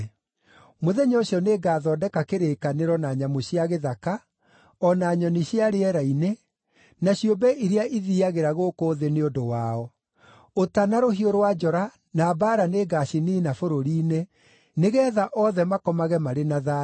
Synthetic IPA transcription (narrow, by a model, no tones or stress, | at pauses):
moðɛɲɔoɕjɔneːɡaːðɔːdɛkakeɾeːkaneɾɔnaɲamoɕiaɣeðaka | ɔnaɲɔniɕjaɾeɛɾaine | naɕiombɛʔiɾeaʔiðiaɣeɾaɣokoːðeneondowaɔ | otanaɾoɦioɾowad͡ʒɔɾa | naːbaɾaneɡaɕiniːnafoɾoɾiːne | neɣɛːðaʔɔðɛmakɔmaɣɛmaɾenaða